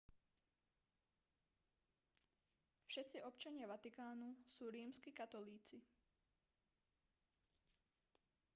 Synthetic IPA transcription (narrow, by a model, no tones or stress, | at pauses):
fʃɛt̪t͡siɔpt͡ʃaɲɪaʋat̪ikaːnusuːɾiːmskikat̪ɔliːt͡si